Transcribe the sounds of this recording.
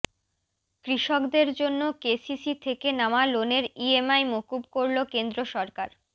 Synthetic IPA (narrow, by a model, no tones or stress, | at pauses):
kɾiʃokd̪eɾd͡ʑonːokesisit̪ʰekenamaloneɾiemajmokubkoɾlokend̪ɾoʃɔɾkaɾ